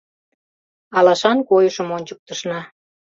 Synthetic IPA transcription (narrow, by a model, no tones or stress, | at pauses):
ɑlɑʃɑnkojəʃə̆monʲt͡ɕək̚t̪əʃnɑ